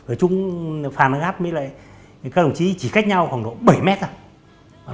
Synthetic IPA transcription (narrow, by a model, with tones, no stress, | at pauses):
vəː˨˩t͡ɕʊ˨˧ŋ͡mfaː˨˩na˧˦ɣaː˦˥t̚mi˧˦la̰ː˧˨j | kaː˦˥ɗŋ͡mt͡ɕi˧˦t͡ɕi˧˩xa˦˥jk̚ɲa˧wkɔ˨˩nɗo̰˧˨ɓə˨˧˩jmɛ˦˥t̚za˧˩˨